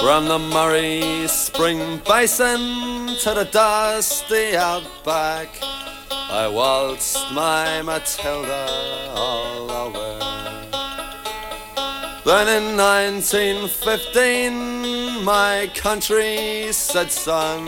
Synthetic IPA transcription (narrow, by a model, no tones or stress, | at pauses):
fɹʌ̃mðəmʌɹispɹɪ̃ŋbeɪsə̃ntʰɨðədʌstiaʊt̚b̥æk | a̰ɪwɑlˠt͡ʃ̚maɪmətʰɛlˠdəɔlˠəwɜ | ðə̃nɪ̃nːãɪ̃ntʰĩnfɪftĩnmaɪkʰʌ̃nt͡ʃɹ̥isɛdsʌ̃ŋ